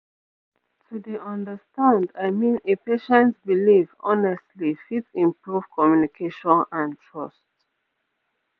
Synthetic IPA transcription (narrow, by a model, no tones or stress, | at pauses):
tʰudeʔɔ̃ndəstãndaɪmĩnepeʃɛ̃ntbilivɔ̰nɛstlifitsĩmpɹuv̥kʰɔmjunikʰeʃɔ̃nãntʰɹɔst